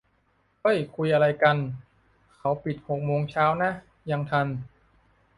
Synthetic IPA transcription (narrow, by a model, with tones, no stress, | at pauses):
ʔɤ˥˩jkʰu˧jʔa˧ɾa˧jka˧n | kʰa˦˥wpi˨˩t̪̚ho˨˩k̚moː˧ŋt͡ɕʰaː˦˥wna˦˥ | ja˧ŋt̪ʰa˧n